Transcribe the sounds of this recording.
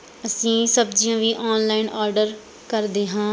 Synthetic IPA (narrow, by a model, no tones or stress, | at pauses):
əsĩːsəbd͡ʒijãːʋiːʔɔːnlaːɪnɔːɾɖəɾ | kəɾd̪eːɦãː